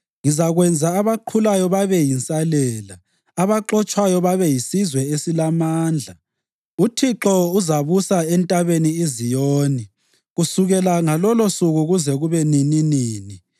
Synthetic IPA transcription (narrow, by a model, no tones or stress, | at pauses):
ŋizaɣwɛnd͡zʱaːβaǃʰulajɔβaβɛjint͡sʼalɛːlaː | βaǃɔt͡ʃʼwajɔβaβɛjisizwɛesilamaːnd͡ɮʱa | utʰiǁɔuzaβusaɛntʼaβeniezijoːni | ɣusuɣɛlaŋalɔlosuɣuɣuzɛɣuβɛnininiːni